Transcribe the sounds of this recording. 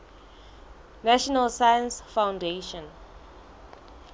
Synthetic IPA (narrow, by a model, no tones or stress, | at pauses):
naʃɔnalsajə̃nsfãwndeʃɔ̃n